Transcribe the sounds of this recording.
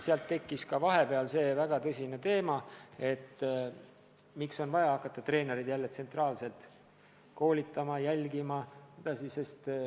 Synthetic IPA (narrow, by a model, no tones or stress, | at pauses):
seɑlt̪ːe̞kːiskɑvɑɦe̞pe̞ɑlse̞ːvæɡ̥ɑt̪ɤsʲine̞t̪e̞ːmɑe̞t̪ː | mikso̞nvɑjɑɑkːˑɑt̪ːˑɑt̪re̞ːne̞ɾid̪jælːet̪se̞nt̪rɑːlse̞lt̪ | ko̞ːlʲit̪ːˑɑmɑjælʲɡimɑsed̪̥ɑsise̞st̪